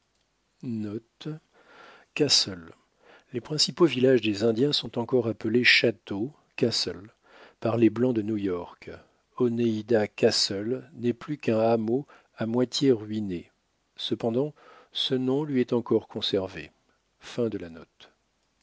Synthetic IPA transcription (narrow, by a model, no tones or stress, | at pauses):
nɔt̪ | kasɔl | lepχɛ̃sipovilaʒd̪ezɛ̃d̪jɛ̃sɔ̃t̪ɑ̃kɔʁapəleʃat̪o | kasɔl | paʁleblɑ̃d̪ənujɔʁk | ɔneid̪akasɔlnɛplykɛ̃amo | amwat̪jeʁɥine | səpɑ̃d̪ɑ̃sənɔ̃lɥiɛt̪ɑ̃kɔʁkʰɔ̃sɛʁvḛ | fɛ̃d̪əlanɔt̪